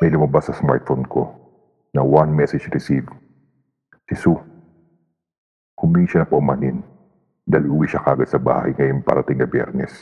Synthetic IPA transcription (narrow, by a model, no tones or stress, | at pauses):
mɐjlʊmɐbasːɐsma̰ɹt̪̚fonkʰo | nɐwanmɛsɛd͡ʒɾɪsiv | sɪsu | kʊmiːʃɐnɐpɐʔmanɪn | d̪aːɪlʔɪʔʊwiʃakaːɡɐt̪̚sɐba̰ːhɐ̰jŋɐjonpɐ̰ɾɐt̪ɪŋːɐbjɛ̰ɾnɛ̰s